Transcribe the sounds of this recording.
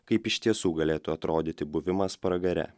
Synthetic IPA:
kɐɪpɪʃʲt̪ʲiɛsuːɡɐlʲeːt̪ʊɐt̪ɾoːd̪ʲɪt̪ʲɪbʊʋʲɪmɐspɾɐɡɐɾʲɛ̰

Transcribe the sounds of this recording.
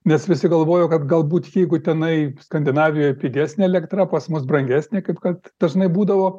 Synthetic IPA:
nʲɛsʋʲɪsʲɪɡɐlˠʋoːjoːkɐt̪ɡɐlˠbuːt̪jɛɪɡʊt̪ʲɛnɐɪskɐnʲd̪ʲɪnɑːʋʲɪjoːjɛpʲiːɡʲæːsʲnʲeːɛlʲɛkt̪rɐpɐsmʊsbrɐŋʲɡʲæːsʲnʲekɐɪpkɐt̪d̪̥ɐʒnɐɪbuːd̪ɐʋoː

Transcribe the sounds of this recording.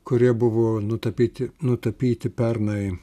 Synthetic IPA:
kʊɾʲiɛbʊʋoːnʊt̪ɐpʲiːt̪ʲɪnʊt̪ɐpʲiːt̪ʲɪpʲɛrnɐɪ

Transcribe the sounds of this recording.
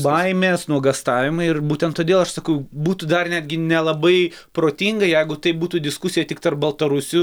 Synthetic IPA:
bɐɪmʲeːsnuɔɡɐst̪ɑːʋʲɪmɐɪɪrbuːt̪ʲɛnt̪toːd̪ʲeːlˠɐʃsɐkɐʊbuːt̪uːd̪ɐrnʲæːd̪ʲɡʲɪnʲɛlˠɐbɐɪ | pɾoːt̪ʲiŋɡɐjɛɪɡʊt̪ɐɪbuːt̪uːd̪ʲɪskʊsʲɪjɛtʲɪkt̪ɐrp̚bɐlˠt̪ɐɾʊsʲʊ

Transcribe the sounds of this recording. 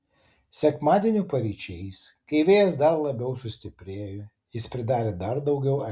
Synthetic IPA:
sʲɛkmɑːd̪ʲiɛnʲʊpɐɾʲiːʃʲɛjskɐɪʋʲeːjɛsd̪ɐɾlˠɐbʲɛʊsʊsʲt̪ʲɪpʲɾʲeːjʊ | jɪspʲɾʲɪd̪ɑːɾʲed̪ɐɾd̪ɐʊɡʲɛʊɐ

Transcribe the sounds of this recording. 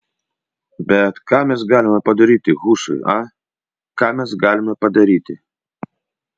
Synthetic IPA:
bʲɛt̪kamʲɛzɡalʲɪmɐpɐd̪ɐɾʲit̪ʲɪɣuʂɨ̰a | kamʲɛzɡalʲɪmɐpɐd̪ɐɾʲit̪ʲɪ

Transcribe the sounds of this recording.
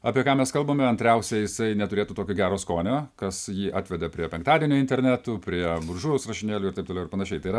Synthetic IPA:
ɐːpʲiɛkɑːmʲɛskɐlˠboːmʲɛɐnʲt̪ʲɾʲɛʊsʲɛjɪsɐɪnʲɛt̪ʊɾʲeːt̪uːt̪oːkʲoːɡʲæːɾoːskoːnʲoːkɐsjiːʔɑːt̪ʲʋʲɛd̪ʲɛpʲɾʲiɛpʲɛŋk̚t̪ɑːd̪ʲiɛnʲuɪnʲt̪ʲɛɾʲnʲæːt̪uːpʲɾʲiɛbʊɾʒuːʋɛʊsrɐʃʲɪnʲeːlʲʊːɪɾtɐɪpt̪oːlɛʊɪɾpɐnɐʃʲɛɪt̪ɐɪɾɐ

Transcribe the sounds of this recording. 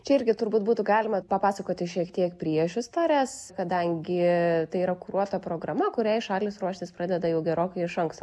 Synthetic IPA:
t͡ʃʲɛɪɾʲɡʲɪt̪ʊrbuːt̪̚buːt̪ʊɡɑːlʲɪmɐpɐpɑːsɐkoːt̪ʲɪʃʲiɛkt̪ʲiɛkpʲɾʲiɛʒʲʊst̪ɐɾʲæːskɐd̪ɐŋʲɡʲɪt̪ɐɪiɾɐkʊɾuɔt̪opɾoːɡrɐmɐkʊɾʲæːɪʃɑːlʲɪsɾuɔʃʲt̪ʲɪspɾɑːd̪ʲɛd̪ɐjɛʊɡʲɛɾoːkɐɪɪʃɐŋkst̪o

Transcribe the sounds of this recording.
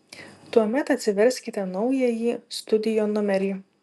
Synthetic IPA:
t̪uɔmʲɛt̪ɐt̪ʲsʲɪʋʲɛɾʲsʲkʲɪt̪ʲɛnɒʊjɛjiːst̪ʊd̪ʲɪjoːnʊmʲɛɾʲiː

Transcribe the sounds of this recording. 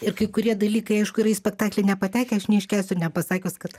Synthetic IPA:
ɪɾkɐɪkʊɾʲiɛd̪ɐlʲiːkɐɪɐɪʃkʊiɾɐisʲpʲɛkt̪ɑːklʲɛɪnʲɛpɐt̪ʲæːkʲɛɐʃnʲɛɪʃʲkʲæːsʲʊnʲɛpɐsɑːkʲoːskɐt̪

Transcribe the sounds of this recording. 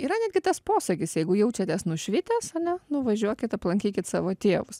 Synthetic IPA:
iːɾɐnʲæːd̪ɡʲɪt̪ɐspoːsɐkʲɪsjɛɪɡʊjɛʊt͡ʃʲɛt̪ʲɛsnʊʃʲʋʲɪt̪ʲæsɐnʲɛnʊʋɐʒʲuɔkʲɪt̪ɐplˠɐŋʲkʲiːkʲɪt̪sɑ̰ːʋoːt̪ʲeːʋʊs

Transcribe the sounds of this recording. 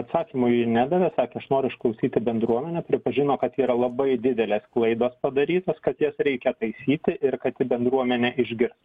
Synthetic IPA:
ɐt̪sɑːkʲiːmʊɪnʲæd̪ɐʋʲɛsɑːkʲɛɐʃnoːɾʲʊɪʃklˠɐʊsʲiːt̪ʲɪbʲɛnd̪ɾuɔmʲɛnʲɛpʲɾʲɪpɐʒʲɪnoːkɐt̪iːɾɐlˠɐbɐɪd̪ʲɪd̪ʲɛlʲeːsklˠɐɪd̪oːspɐd̪ɐɾʲiːt̪oskɐt̪jɛsɾʲɛɪkʲɛt̪ɐɪsʲiːt̪ʲɪʔɪɾkɐt̪ʲtʲɪbʲɛnd̪ɾuɔmʲɛnʲɛʔɪʒʲɡʲɪɾss

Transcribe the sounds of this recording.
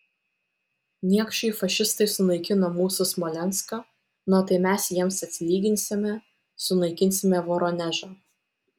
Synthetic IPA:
nʲiɛkʃʲt͡ʃʲɛɪfɐʃʲɪst̪ɐɪsʊnɐɪkʲɪnomuːsʊsmɔlʲɛnˑskɐ | nɐt̪ɐɪmʲæsjiɛmsɐt̪ʲsʲɪlʲiːɡʲɪnʲsʲɪmʲɛ | sʊnɐɪkʲɪnʲsʲɪmʲɛʋɔɾɔnʲɛʒɐ

